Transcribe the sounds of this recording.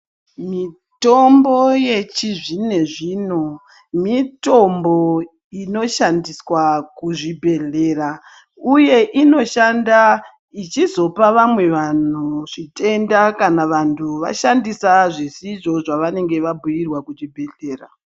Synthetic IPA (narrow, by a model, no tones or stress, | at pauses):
mi | to̞mbo̞je̞t͡ʃiʐine̞ʐiːno̞ | mito̞mbo̞ | ino̞ʃandiswakuʐibʱe̞ɮe̞ːra | uje̞ʔino̞ʃanda | it͡ʃizo̞paʋamwe̞ʋan̤uʐite̞ndakanaʋantʰuʋa̰ʃandisaʐisiʐo̞ʐaʋane̞ŋɡe̞ʋabʱujirwakut͡ʃibʱe̞ɮe̞ːra